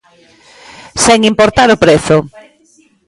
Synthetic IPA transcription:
seŋimpoɾt̪aɾopɾeθʊ

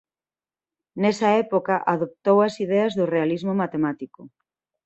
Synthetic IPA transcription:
nɛsɐɛpokaʔaðop̚t̪owɐsiðɛɐzðʊrealizmomat̪emat̪iko

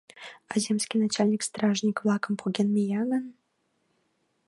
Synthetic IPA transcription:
azʲemsʲkʲinat͡ɕalʲnʲikst̪ɾaʐnʲikvlˠakə̆mpʰoɡʲenmʲejaɡən

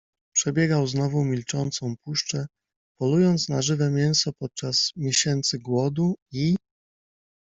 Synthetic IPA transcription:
pʂɛbʲjɛɡawznɔvumʲilt͡ʂɔnt̪sɔ̃w̃puʂt͡ʂɛ | pɔlujɔnt̪snaʐɘvɛmʲjɛñsɔpɔt̪̚t͡ʂasmʲjeɕɛnt̪sɘɡwɔd̪ui

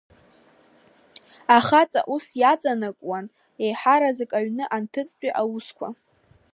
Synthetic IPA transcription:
aχat͡sʼa̰ʔusjat͡sʼanakʼwan | ejħaɾazɨkʼaɥnɨʔantʰɨt͡sʼt͡ʃʷʼiʔawuskʷʰa̰

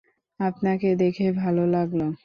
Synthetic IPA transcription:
apnaked̪ekʰebʱalolaɡlo

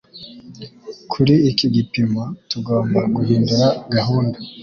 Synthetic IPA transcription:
kʰuɾiːkiɡipimatuɡoːmbaɡuhiːnduɾaɡaɦuːnda

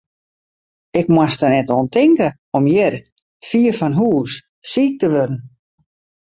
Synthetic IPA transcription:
ɪkmwastənɛtoəntɪŋkə | ɔmjɪr | fiːərfanɦuːs | siːk̚təʋødən̩

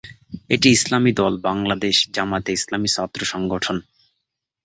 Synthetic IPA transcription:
eʈiislamid̪ɔlbaŋlad̪eʃd͡ʑamat̪eislamisɔt̪ːɾoʃɔŋɡoʈʰon

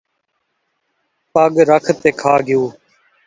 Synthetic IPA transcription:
pəɠɾəkʰt̪eːkʰaːɡɪjuː

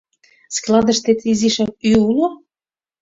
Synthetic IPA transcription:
sklˠɑd̪ə̆ʃt̪et̪iziʃɑk̚yulo

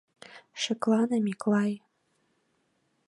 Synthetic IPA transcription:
ʃɘ̆klˠɑnɤmiklˠɑj

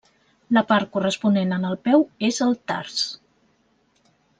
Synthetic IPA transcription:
ləpaɾt̚kurəspunenənəlˠpɛwezəlˠt̪a̰rs

